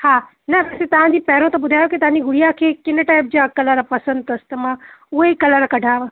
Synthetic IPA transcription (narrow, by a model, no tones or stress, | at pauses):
haː | nɐʋɛːset̪ɐʋ̤ãd͡ʑiːpɐɦɪɾõt̪ɐbʊd̪ʱaːjokit̪ɐʋ̤ãɲd͡ʑiɡʊɽijakʰeːkɪnʈaːɪp̚d͡ʑaːkɐləɾpɐsə̃nd̪̚t̪ɐst̪ɐmãʊɦekɐləɾkɐɖʱaːʋ